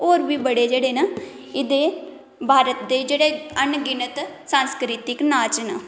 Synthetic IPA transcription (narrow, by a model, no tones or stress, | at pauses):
oːɾbiːbəɽeːd͡ʒeːɽeːnə | ɪd̪eː | bʱaːɾət̪d̪eːd͡ʒeːɽeːənɡɪnət̪ | sãːnskɾɪt̪ɪknaːt͡ʃnə